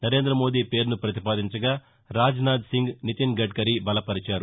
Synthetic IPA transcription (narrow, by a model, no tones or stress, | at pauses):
nɐɾe̞ːnd̪ɾɐmo̞ːd̪iːpe̞ːɾnupɾɐt̪ipaːd̪iɲt͡ʃɐɡaː | ɾaːd͡ʒnaːd̪siŋɡnit̪inɡɐɖ̚kɐɾibɐlɐpɐɾit͡ʃaːɾu